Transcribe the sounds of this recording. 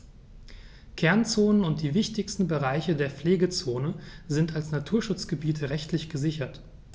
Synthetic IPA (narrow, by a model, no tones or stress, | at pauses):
kʰɛɐnt͡soːnənʊnt̚d̥iːvɪçtɪçstn̩bəʁaɪçədeːɐfleːɡət͡soːnəzɪntalsnatʰuːɐʃʊt͡sɡ̥əbiːtʰəʁɛçtlɪçɡ̥əzɪçɐt